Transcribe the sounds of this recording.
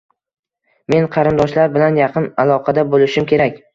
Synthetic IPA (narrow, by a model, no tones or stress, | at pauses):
me̞nqʰɑɾɪnd̪ɒʃlaɾbɪlanjɑqʰɨnalˠɒqʰɑd̪abolɪʃɪmkʲʰe̞ɾakʲ